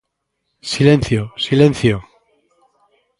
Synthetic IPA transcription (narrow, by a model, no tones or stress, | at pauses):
silẽnθjosilẽnθjo